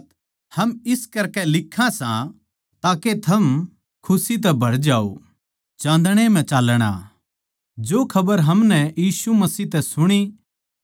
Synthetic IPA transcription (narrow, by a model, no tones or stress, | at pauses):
hɐmɪskɐɾkɛlɪkʰːãsã | t̪aːket̪ʰɐm | kʰʊsit̪̬ɛbʱɐɾd͡ʒaːo̰ | t͡ʃãːnd̪ɽ̃em̤ɛ̃t͡ʃaːlɽ̃a̰ː | d͡ʒoːkʰɐbəɾɦɐmnɛjiːsumɐsiːt̪ɛsʊɽ̃i